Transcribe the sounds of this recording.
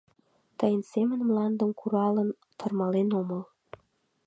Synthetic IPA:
t̪ɤjənsemənmlɑnd̪əmkuɾɑlən | t̪ʰərmɑlenoməl

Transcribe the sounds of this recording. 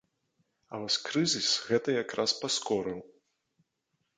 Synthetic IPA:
ɐvɔsʲkɾɨzʲisɣɛt̪ɐjakɾʔaspaskɔɾɨw

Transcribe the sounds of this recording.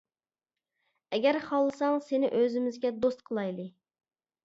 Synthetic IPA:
ɛɡʲæɾχɑlˠsɑŋsenɪ̰ʔøzɪmɪzɡʲɛd̪ost̪̚qʰəlˠɑjlˠɨ

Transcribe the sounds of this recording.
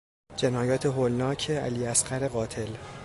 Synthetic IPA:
d͡ʒenɒːjɒːt̪ʰe̞ɦolnɒːcʰe̞æ̰liːæsqæɾe̞ɣɒːt̪ʰe̞l

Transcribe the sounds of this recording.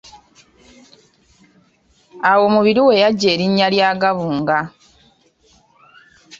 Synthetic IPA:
awo̞muβiɾiwe̞jaɟːe̞ːɾiɲːaljaːɡaβuːŋɡa

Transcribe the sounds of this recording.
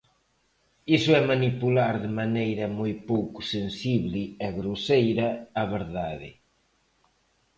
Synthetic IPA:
isʊɛmanipulaɾðɪmanejɾɐmojpowkʊ̥sensiβlɪɛɣɾosejɾɐːβ̞eɾðaðɪ̰

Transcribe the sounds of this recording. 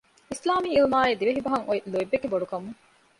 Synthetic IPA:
islaːmiːilmaːed̪iʋeɦibɐɦɐŋoeluebːeɡeboɖukɐmuŋ

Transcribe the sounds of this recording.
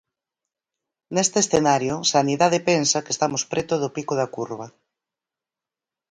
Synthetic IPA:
nest̪eːsθenaɾjosaniðað̞epensakest̪amospɾet̪ʊðopikoðɐkuɾβ̞ɐ

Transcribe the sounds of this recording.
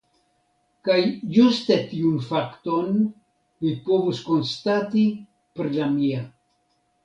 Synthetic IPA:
kajd͡ʒuste̞tiunfakto̞n | vipo̞vusko̞nst̪ati | pɾelamia

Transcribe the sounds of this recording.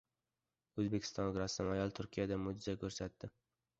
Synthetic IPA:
ɵzbe̞kʲʰɪ̥st̪ɒnɡɾasɪmajɒlˠt̪ʰʊɾkʲʰijad̪amod͡ʒɪzakʰɵɾsat̪ːɪ

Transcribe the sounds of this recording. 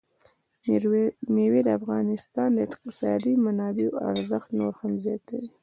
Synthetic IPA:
mewed̪əafɣɑnɪst̪ɑnd̪əɪqt̪ɪ̥sɑd̪imanɑbeoa̰ɾzəxt̪noɾxamzjɑt̪awi

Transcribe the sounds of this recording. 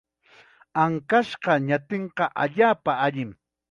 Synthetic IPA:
aŋkaʃɢɑɲat̪eɴqɑʔa̰ʎaːpaaʎɪm

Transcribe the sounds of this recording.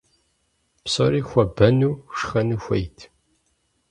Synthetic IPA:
psoɾiːxʷɐbɐnuːʂxɐnuːxʷejtʰ

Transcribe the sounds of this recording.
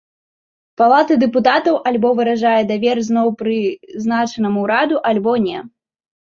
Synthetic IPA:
palˠat̪ɐd̪ɛput̪at̪ɐwʔalʲbɔvɨɾaʐajɛd̪avʲɛrznɔwpɾɨznat͡ʂɐnɐmuwɾad̪uʔalʲbɔnʲɛ

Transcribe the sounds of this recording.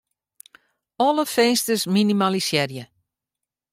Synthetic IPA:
ɔləfɪnstəsminimalisjɛrjə

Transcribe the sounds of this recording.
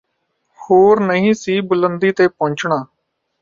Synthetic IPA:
hoːɾnəɦĩːsiːbʊlənd̪iːt̪eːpɔ̃ːɲt͡ʃɳaː

